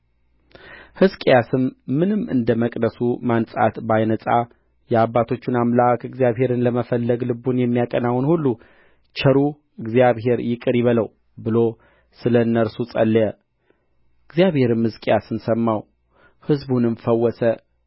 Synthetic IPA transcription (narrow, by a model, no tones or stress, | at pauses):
hɨzkʼjasɨmːɨnɨmːɨ̰nd̪əməkʼd̪əsumansʼa̰t̪bajnəsʼa | jɛabːat̪ʰo̞t͡ʃːunamlakɨɡzijaβɦe̞ɾɨnləməfəlːəɡlɨbunjɛmːijakʼənawnhulːu | t͡ʃʰɛɾu | ɨɡzijaβɦe̞ɾjɪkʼɨɾjɪβələw | bɨlo̞ | sɨlənːəɾsut͡sʼə̰lːjə | ɨɡzijaβhe̞ɾɨmhɨzkʼejasɨnsəmːaw | hɨzbunɨnfəwːɔsə